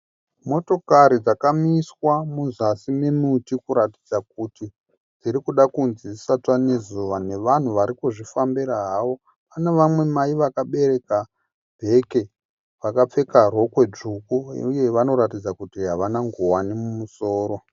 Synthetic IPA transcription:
mo̞to̞kaɾid͡zakamiswamuzasimemutikuɾati̥d͡zak̚uti | d͡ziɾikuɗakunzisatwane̞zuʋane̞ʋan̤uʋaɾikuʐifambiɾaɦawo̞ | aneʋamwe̞maiʋakaɓe̞ɾe̞ka | bʱe̞ke̞ | ʋakap͡fe̞karo̞kwe̞d͡ʐukṵuje̞ʋano̞ɾatid͡zakutiɦaʋanaŋɡuwanimumusoːɾo̞

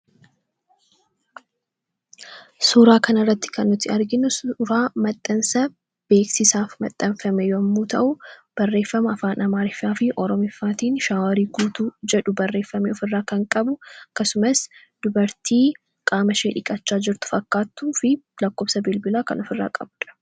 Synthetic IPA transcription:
suːɾaːkɐnɪrːɐt̪ːɪ̥kɐnːɔt̪ːɪɐɾɡɪnʊsɾaːmɐt̪ʼːɐnsɐ | b̥e̞ːksɪsaːfmɐt̪ʼːɐnfɐmɛjɐmːuːt̪ɐʔʊb̥ɐrːeːfːɐmɐɐfaːnʔɐmaːɾɪfaːfɪʔɔɾɔmɪfːaːt̪iːnʃaːwɐɾiːɡuːt̪uːd͡ʒɛᶑʊbɐrːe̞ːfːɐmiɔfɪrːaːkɐŋkʼɐbʊɐkːɐsʊmɐs | d̪̥ʊbɐɾt̪ʰiː | kʼaːmɐʃe̞ːᶑɪkʼɐt͡ʃːaːd͡ʒɪɾt̪ʊ̥fɐkːaːt̪ːuːfɪlɐkːoːbsɐbɪlbɪlaːkɐnɔfɪrːa̰ːkʼɐ̰bᶑ̪ɐ̥

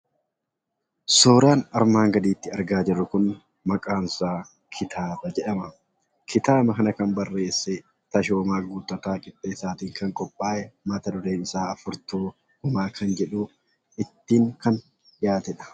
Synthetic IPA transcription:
soːɾaːnɐɾmaːŋɡɐd̪iːt̪ːɪɐɾɡaːd͡ʒɪrːʊkʊn | mɐkʼaːnsaː | kʰɪt̪ʰaːbɐd͡ʒɛᶑɐmɐ | kʰɪt̪aːbɐkɐnɐkɐnbɐrːe̞ːsːɛ | t̪ɐʃo̞ːmaːɡuːt̪ʼːɐt̪aːkʼɪt̪ʼːeːsaːt̪iːŋkɐŋkʼɔpʼːaːʔɛmɐt̪ɐd̪ʊɾeːnɪsaːɐfʊɾt̪uː | hʊmaːkʰɐnd͡ʒɛᶑuː | ɪt̪ːiːŋkɐn | ᶑɪjaːt̪ɛᶑɐ̥

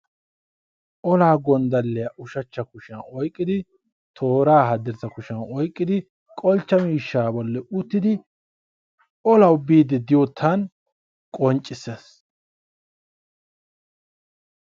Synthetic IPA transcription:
ʔɔlaːɡɔnd̪ɐlːɛjɐʔʊʃɐt͡ʃːɐkʊʃɐnɔjkʼːɪd̪ɪ | t̪ʰoːɾaːɦɐd̪ɪɾzɐkʊʃɐnɔjkʼːɪd̪ɪ | kʼɔlt͡ʃːɐmiːʃːaːbɔlːɛʊt̪ːɪd̪ɪ | ɔlɐwbiːd̪ɪd̪ɪjot̪ʰːɐn | kʼɔnt͡ʃʼːɪsːeːs

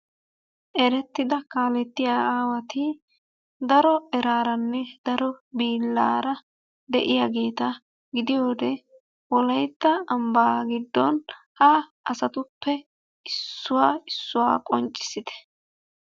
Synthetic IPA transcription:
ʔɛɾɛt̪ːɪd̪ɐkaːlɛt̪ːɪjaːaːwɐt̪ɪ | d̪ɐɾɔɛɾaːɾɐnːɛd̪ɐɾɔbiːlːa̰ːɾɐ | d̪ɛ̰ʔɪjaɡeːt̪ɐ | ɡɪd̪ɪjo̞ːd̪ɛ | wɔlɐjt̪ːɐɐmbaːɡɪd̪ːɔn | hɐʔɐsɐt̪ʊpːɛ | ɪsːʊwaːɪsːʊwa̰ːkʼɔnt͡ʃʼːɪ̥sɪt̪ɛ̥

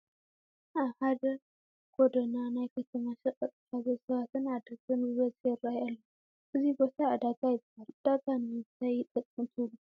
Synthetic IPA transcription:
ʔahad̪ɐ | ɡ̥od̪onanajkʰɐt̪ʰɐmaʃɐkʼɐt̪ʼɨkazɐsɐβat̪ʰɨnad̪ɐkʼɨnɨβɐzʼjɛɾajalːɐ | ʔɨzibo̞t̪ʰaːd̪aɡʼajɪbahald̪̥aɡʼanit̪ʰajɪt̪ʼɐkʼːɨmt̪ʰɨlu

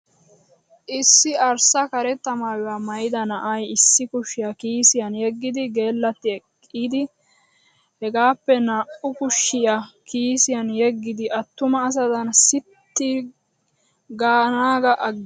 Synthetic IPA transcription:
ʔɪsːɪɐɾsɐkɐɾɛt̪ːɐmaːwɪwaːmɐjɪd̪ɐnɐʔɐjɪsːɪkʊʃːɪjɐkiːsɪjɐnjɛɡːɪd̪ɪɡe̞ːlːɐt̪ːɪɛkʼːiːd̪ɪ | hɛɡaːpːɛnaʔʊkʊʃːɪjɐkiːsɪjɐnjɛɡːɪd̪ɪʔɐt̪ːʊmɐːs̬ɐd̪ɐnsɪt̪ːi | ɡaːnaːɡɐʔɐɡ

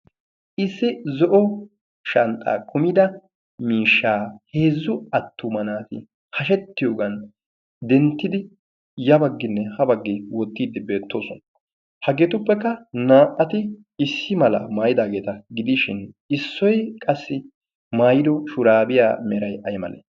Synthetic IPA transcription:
ʔɪsːɪzɔʔɔ | ʃɐnt̪ʼa̰ːkʰʊmɪd̪ɐ | miːʃːaːhe̞ːzːʊɐt̪ʰːʊmɐnaːt̪ɪ̰ | hɐʃ̬ɛt̪ːɪjoːɡɐn | d̪ɛnt̪ːɪd̪ɪ | jɐbɐɡːɪnːɛhɐbɐɡːɪwɔt̪ːiːd̪ːɪbe̞ːt̪ːo̞̰ːsɔn | hɐɡeːt̪ʊpːɛkːɐnaːʔːɐt̪ɪ | ɪsːɪmɐlɐ̰maːjɪd̪aːɡe̞ːt̪ɐɡɪd̪ɪʃɪn | ɪsːɔjkʼɐsːɪ | maːjɪd̪ɔʃʊɾaːbɪja̰ːmɛɾɐjʔɐjmɐ̰nḛː

